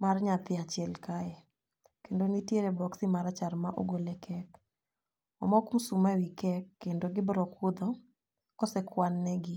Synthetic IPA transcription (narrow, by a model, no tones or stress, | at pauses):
marɲat̪ɪat͡ʃɪɛlkaɛ | kendonitjeɾebɔksimaɾat͡ʃarmaʔo̰ɡolekʰɛk | ɔ̰mɔkum̩sumawikɛkːendoɡɪbɾɔkud̪ɔ | kɔsɛkwanːɛɡɪ